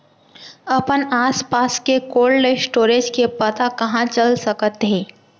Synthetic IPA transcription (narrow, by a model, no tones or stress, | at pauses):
ɐpənaːspaːskekoːlɖesʈoːɾed͡ʒkepət̪akɐɦãt͡ʃəlsəkət̪ɦeː